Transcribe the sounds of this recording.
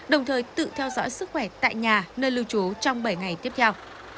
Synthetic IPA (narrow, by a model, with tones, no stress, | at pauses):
ɗə˨˩wŋ͡mt̪ʰəː˨˩jt̪ɨ̰˧˨t̪ʰɛ˧wzɔ̰˧˥jsɨ˦˥k̚xwɛ˧˩t̪a̰ː˧˨jɲaː˨˩nəː˧jlɨ˧wt͡ɕo˨˦t͡ɕɔ˧wŋ͡mɓə˧˩jŋa˨˩jt̪i˦˥əp̚t̪ʰɛ˧w